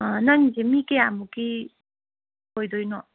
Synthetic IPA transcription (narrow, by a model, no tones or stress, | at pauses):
nʌŋzemikeamuki | kojd̪ojnɔ